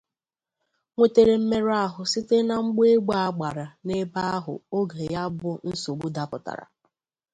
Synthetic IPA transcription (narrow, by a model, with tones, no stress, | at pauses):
ŋʷe˦te˨ɾe˨m̩˦me˦ɾa˦ɦʊ˨sɪ˦te˦na˨ŋ͡m̩˦ɡ͡be˦ɡ͡ba˦a˦ɡ͡ba˨ɾa˨ne˦ba˦ɦʊ̰˨o˦ɡe˨ja˦bʊ˦n̩˦so˨ɡ͡bu˦da˨pʊ˨ta̰˨ɾa̰˨